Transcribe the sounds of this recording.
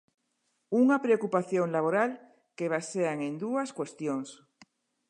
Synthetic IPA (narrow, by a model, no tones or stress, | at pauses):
uŋapɾeokupaθjõŋlaβoɾal | keβ̞aseaŋẽnd̪uaskwest̪joŋs